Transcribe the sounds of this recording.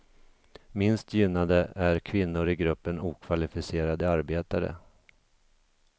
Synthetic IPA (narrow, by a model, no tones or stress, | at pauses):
mɪnst̪ʰjʏnːad̪əæɾkʰvɪnːʊɾɪɡɾɵpːənuːkʰvalɪfɪseːɾad̪əaɾbeːt̪aɾə̰